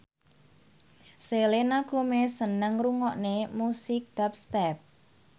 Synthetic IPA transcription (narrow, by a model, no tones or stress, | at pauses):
selenaɡ̥o̤mesənəŋruŋɔʔnemusɪk̚d̪̥ap̚st̪ɛp̚